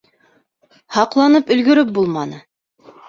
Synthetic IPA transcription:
hɑqlˠɑnɤpɵ̆lɡɵ̆ɾɵp̚bulˠmɑnɤ

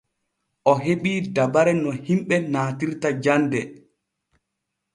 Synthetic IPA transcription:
ʔɔɦeɓiːdabaɾɛnɔhimɓɛnaːtiɾtad͡ʒandɛ

